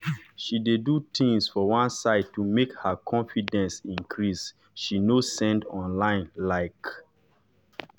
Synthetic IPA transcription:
ʃidedut̪ʰĩŋsfɔwãnsaɪd̚tumekhəkʰɔ̃nfidɛ̃nsĩŋkʰɹis | ʃinosɛ̃ndɔ̃nlãɪ̃nlaɪk

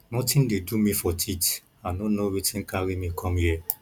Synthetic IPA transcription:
nɔtʰĩndedumifɔtʰit | anonowitʰĩnkʰaɾimikʰɔ̃mhiɛ

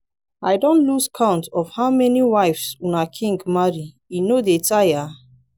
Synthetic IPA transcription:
aɪdõntluskʰãʊ̃ntɔfhaʊmɛniwaɪfsunakʰĩŋɡmaɹi | inodetaja

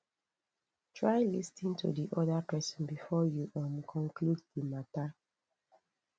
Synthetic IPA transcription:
tʰɹajlistĩntʰṵdiʔɔdapɛsɔ̃nbifɔjuʔãnkʰɔ̃ŋkʰlud̚ðimata

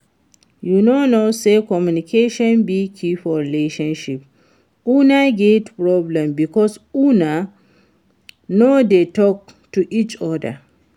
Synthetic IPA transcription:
junonosekɔmjunikʰeʃɔ̃nbikʰifɔɹileʃãnʃip̚ | ʔunaɡetpɹɔblɛ̃mbikɔsuna | nodetɔk̚tuʔit͡ʃɔda̰

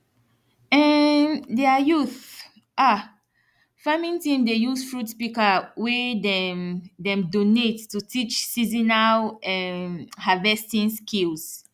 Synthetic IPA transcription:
ɛdɛajuθ | ʔa | famĩntĩmdejuzfɹutspikawɛdɛmdɛ̃mdonetːutit͡ʃsizinalɛhavɛstĩnskilz̥

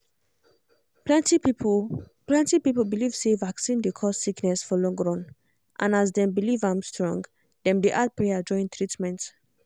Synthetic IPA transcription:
plɛti | plɛ̃ntipipəlbiliv̥sevaksĩndekʰɔstsiknɛsfɔlɔ̃ŋɡɹɔ̃n | ʔãnas̬dɛ̃mbilivãmstɹɔ̰̃ŋɡ | dɛ̃mdeʔad̚pɹead͡ʒɔ̃ɪ̃nt̪ʰɹitmɛ̃nt

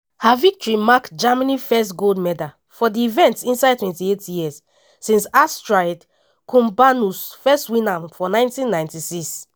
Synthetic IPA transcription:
havik̚tɔɹimakd͡ʒamanifɛstɡoldmɛda | fɔdiːvɛ̃ntsĩnsaɪdtwɛ̃ntietjis | sĩnsastɹaɪd | kʰũmbanusfɛstwĩnãmfɔnãɪ̃ntĩnːãɪ̃ntisis

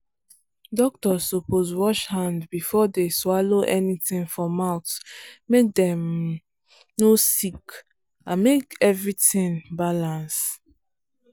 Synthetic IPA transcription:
dɔk̚tɔzopozwɔʃhãndbifɔdeswaloʔɛnitĩnfɹɔ̃maʊtmek̚dɛ̃m | nosik | ãnmekɛvɹitĩnbalãns

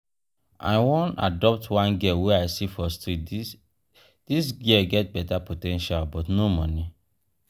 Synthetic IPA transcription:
a̰ɪwõna̰dɔp̚twãnɡɛweaɪsifɔstidi | d̥is̬ɡɛɡɛt̚bɛtapotɛ̃nʃalbɔtnomɔ̃ni

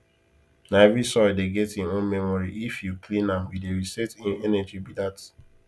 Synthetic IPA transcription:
naɛvisɔɪdeɡɛtĩnõnmɛmɔɹiʔifjukʰlĩnãmwideɹisɛtĩnɛnɛd͡ʒibidat

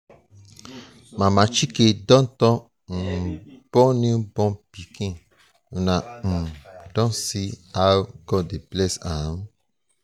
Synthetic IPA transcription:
mãmãt͡ʃikedɔ̃n̩t̪ɔ̃ | m̩b̥ɔ̃nĩbɔ̃pikĩ | nãm̩d̥ɔ̃siaɡɔdeblɛsã

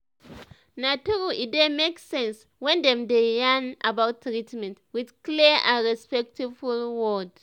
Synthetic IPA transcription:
natuɹuʔidemeksɛ̃ns | wɛ̃ndɛ̃mdejanʔa̰bawtːɹitmɛ̃ntwidkliʔãɹɛspɛk̚tʰivulwɔd

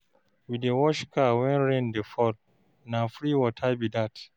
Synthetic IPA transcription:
widewɔʃkawɛ̃nɹɛ̃ndefɔt̚ | nafɾiwɔtʰabidat

